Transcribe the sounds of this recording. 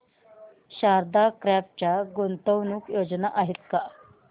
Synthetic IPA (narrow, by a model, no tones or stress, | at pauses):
ɕaɾd̪akɾap̚t͡ɕjaɡont̪əwnuːkjod͡znaʔaɦit̪ka